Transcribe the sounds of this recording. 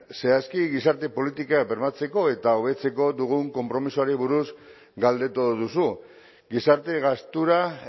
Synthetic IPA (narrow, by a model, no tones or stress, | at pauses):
se̞askiɣisaɾt̪e̞po̞lit̪ikabeɾmat͡se̞ko̞e̞t̪aoβ̞e̞t͡se̞ko̞d̪uɣ̞uŋko̞mpɾo̞misuaɾiβuɾuz | ɡald̪e̞t̪oðusu | ɡisaɾt̪e̞ɣast̪uɾa